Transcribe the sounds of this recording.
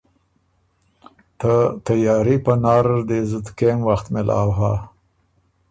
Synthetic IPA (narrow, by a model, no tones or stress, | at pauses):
t̪ət̪ajɑːɾipənɑɾd̪ezəd̪kemwaxt̪mɪlʔɑ̰wɦa